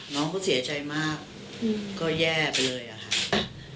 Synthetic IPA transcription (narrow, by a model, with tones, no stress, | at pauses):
nɔː˦˥ŋkʰɔː˥˩si˩˦ɐt͡ɕa˧jmaː˥˩k̚ː | ɔː˥˩jɛː˥˩pa˧jlɤː˧jʔa̰˨˩kʰa˦˥˩ʔ